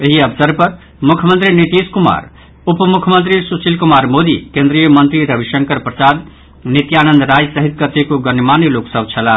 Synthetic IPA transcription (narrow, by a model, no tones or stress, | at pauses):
eɦiəpʰsəɾpəɾ | mukʰjəmənt̪ɾinit̪iskuma̰ɾ | upmukʰjəmənt̪̬ɾisusilkumaɾmod̪ikẽnd̪ɾijəmənt̪ɾiɾəbʱiʃəŋkəɾpɾəsad̪ | nit̪janənd̪ɾajsəɦit̪̚kət̪ekoɡənmaniloksəbt͡ʃʰəla